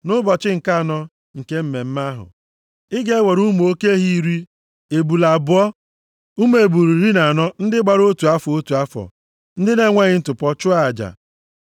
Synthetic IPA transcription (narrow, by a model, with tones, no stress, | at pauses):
nʊ˦bɔ˨t͡ʃɪ˦ŋ̩˨ka˦˨nɔ˦ | ŋ̩˨ke˦m̩˦me˨m̩˦ma˦ɦʊ̰˨ | ɪ˦ɡe˦we˨ɾu˦m˨o˦ke˦ɦi˦˨ɾi˦ | e˨bu˨la˨bʊ˦ɔ˦ | u˦m˦e˨bu˨ɾi˨ɾi˦na˨nɔ˦n̩˦dɪ˦ɡ͡ba˨ɾo˦tu˨a˦fɔ˨o˦tu˨a˦fɔ̰˨ | n̩˦dɪ˦ne˨˦ŋʷe˦ɣɪ˦n̩˦tʊ˨pɔ˦t͡ʃʊ˦a˦˨d͡ʒa̰˨